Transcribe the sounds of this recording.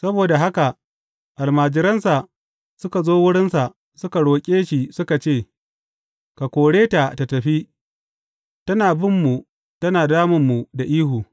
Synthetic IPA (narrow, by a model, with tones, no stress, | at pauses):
sɐ˦boː˨da˨ɦa˦ka˨ | ʔa˨lmaː˨d͡ʒɪ˦ɾɐ˦nsa˨ | sʊ˦ka˨zoː˦wʊ˦ɽɪ˦nsa˨ʔ | sʊ˦ka˨ɽoː˨kʲʼeː˦ʃi˨sʊ˦ka˨t͡ʃeː˦˨ | ka˨kʷoː˨ɽeː˦ta˨ta˨tɐ˨ɸiː˦ | tɐ˦naː˨bɪ˦mːu˨ | tɐ˦naː˨daː˦mʊ˨mːu˨da˨ʔiː˦huː˨